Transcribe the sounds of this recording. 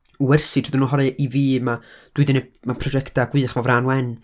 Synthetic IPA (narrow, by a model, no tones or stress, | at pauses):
uwɛrsɨdðənuːɦɔɾaiviːmad̥wiːdɪnəmapʰrɔd͡ʒɛktaɡ̥wɨːχvɔvranwɛn